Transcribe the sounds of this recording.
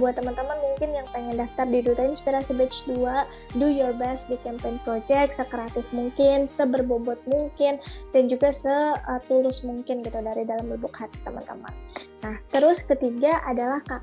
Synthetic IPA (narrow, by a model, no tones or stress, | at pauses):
buat̪ːəmant̪əmanmuŋkɪnjaŋpaŋandaft̪ardidut̪ainspiɾasibɛt͡ʃdua | dujɔrbasdikɛmpɛnpɾod͡ʒɛk̪̚səkəɾat̪ɪfmuŋkɪnsəbərbobɔt̪̚muŋkɪndand͡ʒuɡasəət̪ulʊsmuŋkɪnɡit̪udaɾidalamləbʊkhat̪i̥t̪əma̰nt̪əma̰nnaht̪əɾʊskət̪iɡaʔadalahka